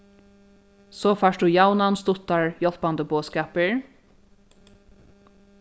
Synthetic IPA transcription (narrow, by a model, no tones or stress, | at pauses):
soːfaːʂd̪uːjawnanst̪ʊt̪ːaɹjɔl̥band̪əboːskɑːpəɹ